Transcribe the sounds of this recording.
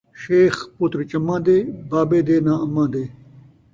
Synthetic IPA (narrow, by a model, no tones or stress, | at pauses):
ɕeːxpuːt̪ɾit͡ɕɐmːãːd̪eːbaːbeːd̪eːnãːɐmːãːd̪eː